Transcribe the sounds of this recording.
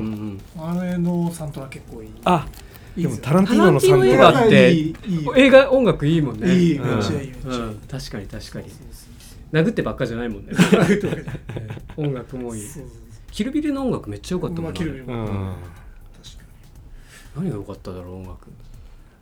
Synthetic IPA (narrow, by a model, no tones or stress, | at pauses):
ɯ̟̃ɯ̃ɴaɾenosãnt̪oɡake̞kːoːia | diemot̪ʰaɾãnt̪aiːãonoiːnoeːɡaaːeoe̞ːɡaõ̞ŋɡakɯ̟iːmõ̞ñː | ɯ̃ːt̪aɕi̥kaɲ̟it̪aɕi̥kaɲ̟i | naɡɯ̟t̪ːe̞bakːaʑanaimõ̞nːe | õ̞ŋɡakɯ̟mo̞iː | kʲiɾɯ̟bʲiɾʲɯnoõŋɡakɯ̟me̞t͡ɕːajo̞kat̪ːaiɾɯiɾ̃ | ḁkḁ | naɲ̟iɡjo̞kat̪ːad̪aɾoõŋɡakɯ̟